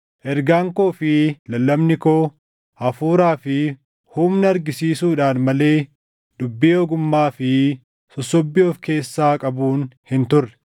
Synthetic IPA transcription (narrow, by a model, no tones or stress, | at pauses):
ʔɛɾɡaːŋko̞ːfɪlɐlːɐmnɪkoː | ɐfuːɾaːfɪ | humnɐɐɾɡɪsiːsuːᶑaːnmɐle̞ː | d̪ʊbːiːɔɡʊmːaːfɪ | sɔsːɔbːɪoːfke̞ːsːaːkʼɐbuːnhɪnt̪ʊrːɛ̥